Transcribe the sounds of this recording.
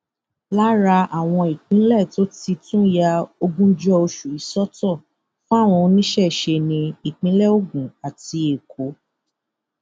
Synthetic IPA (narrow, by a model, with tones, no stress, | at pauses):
la˦ɾa˧ʔa˨w̃ɔ̃˧i˨k͡pĩ˨˦lɛ˦˨to˦ti˧tũ˦ja˧o˧ɡũ˦d͡ʒɔ˦o˧ʃu˨i˨sɔ˦tɔ˦˨ | fũ˦a˦˨w̃ɔ̃˧nĩ˦ʃɛ˦˨ʃe˧nĩ˧i˨k͡pĩ˨˦lɛ˦o˦˨ɡũ˨a˨ti˧e˨kʰo˨˦